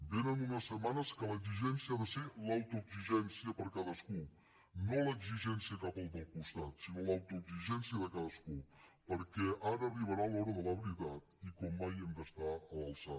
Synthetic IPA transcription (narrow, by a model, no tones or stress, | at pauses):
benənunəsːəmanəskələɡziʒɛnsiaðəselawt̪uəɡziʒɛnsiəpəɾkaðəsku | noləɡziʒɛnsiəkapəlˠd̪əlˠkust̪at̪sinolawt̪uəɡziʒɛnsiəðəkaðəskupəɾkɛaɾəːriβəɾalɔɾəðələβəɾit̪at̪ikɔmːajemd̪əst̪aələlˠsa